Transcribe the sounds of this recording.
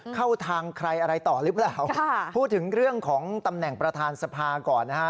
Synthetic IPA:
kʰa˥˩wt̪ʰaː˧ŋkʰɾa˧jʔa˧ɾa˧jt̪ɔː˨˩ɾɯː˦˥pɾaː˨˩wʰːpʰuː˥˩t̪ʰːɯ˩˦ŋɾɯ˥˩əŋkʰɔː˩˦ŋt̪a˧mnɛ˨˩ŋpɾa˧t̪ʰaː˧nsa˧pʰaː˧kɔː˨˩nːa˦˥a˦˥

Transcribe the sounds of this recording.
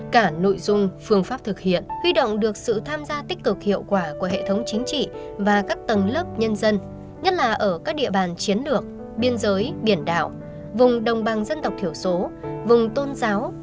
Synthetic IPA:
kaː˧˩no̰˧˨jzʊ˧ŋ͡mfɨ˧əŋfaː˦˥p̚t̪ʰɨ˨˩k̚hḭ˧˨ənhwi˧ɗo̰˧˨wŋ͡mɗɨ˨˩ək̚sɨ̰˧˨t̪ʰaː˧mzaː˧t̪ï˦˥k̟̚lɨ˨˩k̚hḭ˧˨əwkwaː˧˩ku˧˩əɦḛ˧˨t̪ʰə˨˦wŋ͡mt͡ɕï˨˦ŋ̟t͡ɕḭ˧˨ | vaː˨˩kaː˦˥k̚t̪ə˨˩nləː˦˥p̚ɲə˧nzə˧n | ɲə˦˥t̚laː˨˩ʔəː˧˩kaː˦˥k̚ɗḭ˧˨əɓaː˨˩nt͡ɕi˨˦ənlɨ˨˩ək̚ | ɓi˧ənzəː˨˦jɓi˧˩ənɗa̰ː˧˨w | vʊ˨˩ŋ͡mɗə˨˩wŋ͡mɓa˨˩ŋzə˧nt̪ə˨˩w̚t̪i˧˩əwso˨˦vʊ˨˩ŋ͡mt̪o˧nzaː˨˦w

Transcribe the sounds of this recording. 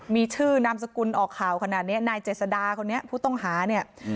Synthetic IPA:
miː˧t͡ɕʰɯː˥˩na˧msa˧ku˧nʔɔː˨˩kʰːaː˨˩wkʰa˧naː˨˩t̪̚ni˦˥ɐnaː˧jt͡ɕeː˨˩t̪̚sa˧daː˧kʰo˧nːi˦˥ɐpʰuː˥˩t̪ɔ˥˩ŋɦaː˩˦ni˥˩ɐ

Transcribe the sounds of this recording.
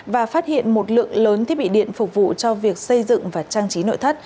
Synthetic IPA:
vaː˨˩faː˦˥t̚hḭ˧˨ənmo˨˩t̚lɨ̰˧˨əŋləː˨˦nt̪ʰi˦˥əɓḭ˧˨ɗḭ˧˨ənfʊ˨˩k͡p̚vṵ˧˨t͡ɕɔ˧vi˨˩ək̚sə˧jzɨ̰˧˨ŋvaː˨˩t͡ɕaː˧ŋt͡ɕi˨˦no̰˧˨jt̪ʰə˦˥t̚

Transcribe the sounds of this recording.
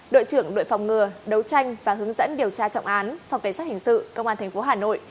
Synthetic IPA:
ɗo̰˧˨jt͡ɕɨ˧˩əŋɗo̰˧˨jfa˨˩wŋ͡mŋɨ˨˩əɗə˨˦wt͡ɕa˧jŋ̟vaː˨˩ɦɨ˨˦əŋzə̰˧˥nɗi˨˩əwt͡ɕaː˧t͡ɕɔ̰˧˨wŋ͡mʔaː˨˦nfa˨˩ŋ͡mka˧˩ŋsaː˦˥t̚hï˨˩ŋ̟sɨ̰˧˨kə˧wŋ͡mʔaː˧nt̪ʰɛ˨˩ŋ̟fo˨˦ɦaː˨˩no̰˧˨j

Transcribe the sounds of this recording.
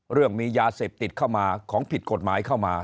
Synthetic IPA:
ɾɯ˥˩əŋmiː˧jaː˧seː˨˩p̚t̪i˨˩t̪̚kʰa˥˩wmaː˧kʰɔː˩˦ŋpʰi˨˩t̪̚ko˨˩t̪̚maː˩˦jkʰa˥˩wmaː˧

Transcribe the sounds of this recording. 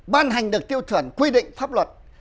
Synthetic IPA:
ɓaː˧nha˨˩jŋ̟ɗɨ˨˩ək̚t̪i˧əwt̪ʰɨ˧˩ənkwi˧ɗḭ̈˧˨ŋ̟faː˦˥p̚lwə˨˩t̚

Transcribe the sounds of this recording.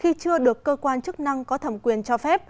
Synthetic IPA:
xi˧t͡ɕɨ˧əɗɨ˨˩əkːəː˧kwaː˧nt͡ɕɨ˦˥k̚na˧ŋkɔ˨˦t̪ʰə˧˩mkwi˨˩ənt͡ɕɔ˧fɛ˦˥p̚

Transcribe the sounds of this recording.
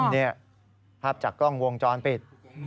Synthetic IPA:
ni˥˩ɐ | kʰa˦˥˩p̚t͡ɕaː˨˩kːlɔ˥˩ŋwo˧ŋt͡ɕɔː˧npi˨˩t̪̚

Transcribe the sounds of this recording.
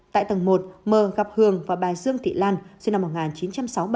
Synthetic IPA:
t̪a̰ː˧˨jt̪ə˨˩ŋmo˨˩t̚məː˨˩ɣa˨˩p̚hɨ˨˩əŋvaː˨˩ɓaː˨˩jzɨ˧əŋt̪ḭ˧˨laː˧nsna˧mːo˨˩ŋaː˨˩nt͡ɕi˨˦nt͡ɕa˧msa˨˦wɓ

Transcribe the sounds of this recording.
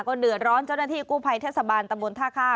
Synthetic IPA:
kɔː˥˩dɯ˨˩ət̪̚ɾɔː˦˥nt͡ɕa˥˩wna˥˩t̪ʰiː˥˩kuː˥˩pʰa˧jt̪ʰeː˥˩t̪̚sa˧baː˧nt̪a˧mbo˧nt̪ʰaː˥˩kʰaː˥˩

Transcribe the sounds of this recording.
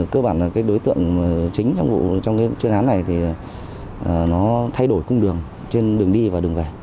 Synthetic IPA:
kəː˧ɓaː˧˩nlaː˨˩kaː˨˦jɗo˨˦jt̪ɨ̰˧˨əŋː˨˩t͡ɕï˨˦ŋ̟t͡ɕɔ˧wŋ͡mvṵ˧˨t͡ɕɔ˧wŋ͡mkaː˨˦jt͡ɕwi˧ənʔaː˨˦nːa˨˩jt̪ʰi˨˩˨ | ə˨˩nɔ˨˦t̪ʰa˧jɗo˧˩jkʊ˧ŋ͡mɗɨ˨˩əŋ | t͡ɕe˧nɗɨ˨˩əŋɗi˧vaː˨˩ɗɨ˨˩əŋve˨˩

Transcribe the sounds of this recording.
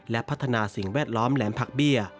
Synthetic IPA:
lɛ˦˥pʰa˦˥t̪ʰːa˧naː˧si˨˩ŋwɛː˥˩t̪̚lɔː˦˥mlɛː˩˦mpʰa˨˩k̚bi˥˩ɐ

